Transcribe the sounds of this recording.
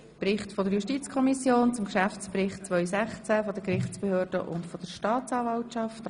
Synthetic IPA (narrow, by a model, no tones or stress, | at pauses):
pɾɪχtfɔd̪əɾjuʃtit͡skʰɔmisjoːnt͡sʊmʃæft͡spɾɪχtt͡svœʏsæχt͡sæfɔd̪əkɾɪχt͡spehøːɾd̥ə̰ʔʊ̰ntfɔd̥əɾʃtɑːt͡sɑːvɑwtt͡ʃɑft